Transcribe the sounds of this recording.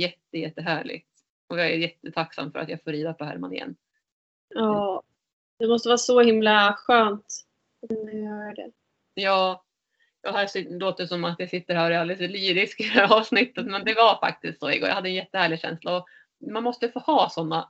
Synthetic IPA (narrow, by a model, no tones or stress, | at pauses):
jɛt̪ːəjɛt̪ːəɦæːɭɪ̰ɡ̚t̪ | ɔjɑæɾjɛt̪ːət̪ʰaksa̰mːfœɾa̰t̪jaɡfoːɾiːd̪apʰɔɦæ̰ɾma̰nɪ̰jɛ̰nː | ɑː | d̪̥ɛmɔst̪əvɑːɾsɔhɪmlaɧøːnt̪ | nɛœːɖɛ̰ | jɑː | jɑːhæsɪloːt̪əsɔmːat̪jasɪt̪ːəɾhæːɾɪallɪt̪əlyːɾɪskɛhæɾɑːvsnɪt̪ːət̪mɛnd̪ɛvaɾfa̰k̚t̪ɪst̪soːɪ̰ɡoːja̰had̪ːəɛnjɛt̪ːəhæːɭɪɡɕɛ̰nslaɔ | manmɔst̪əfoːhɑːsɔnːa